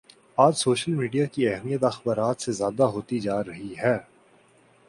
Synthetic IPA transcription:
aːd͡ʒsoːʃəlmiːɖijakiɛɦmijət̪ɐxbaːɾaːt̪sezjaːd̪aɦoːt̪id͡ʒaːɾɐɦiɦɛː

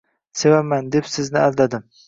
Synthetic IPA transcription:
sevamand̪epsɪznɪald̪ad̪ɪm

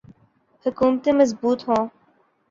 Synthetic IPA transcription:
hʊkuːmt̪ẽːməzbuːt̪ɦõː

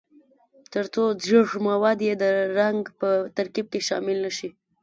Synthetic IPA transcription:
t̪əɾt͡sozɾəʐmawɑd̪jed̪əɾaŋɡpət̪aɾkib̚keʃɑ̰mɪlnaʃi

